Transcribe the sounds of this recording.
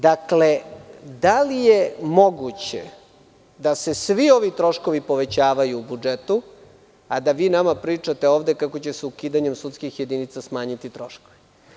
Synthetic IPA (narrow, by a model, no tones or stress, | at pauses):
d̪akled̪alije̞mo̞ɡut͡ɕḛ | d̪ase̞sʋio̞ʋit̪ɾo̞ʃko̞ʋipo̞ʋe̞t͡ɕaːʋajuːbud͡ʒet̪u | ad̪aʋiːnamapɾiːt͡ʂat̪e̞o̞ːʋd̪e̞kako̞t͡ɕe̞seukiːd̪aɲemsut̪skixje̞d̪init̪sasmaːɲit̪it̪ɾo̞ʃkoʋi